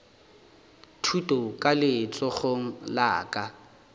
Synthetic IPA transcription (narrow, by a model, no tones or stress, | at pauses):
tʰutʼɔkʼalɪt͡sʼɔχoŋ̩la̰ːkʼa